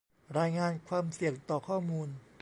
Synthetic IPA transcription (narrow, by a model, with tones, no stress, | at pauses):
ɾaː˧jŋaː˧nkʰwaː˧msi˨˩əŋt̪ɔː˨˩kʰɔː˥˩muː˧n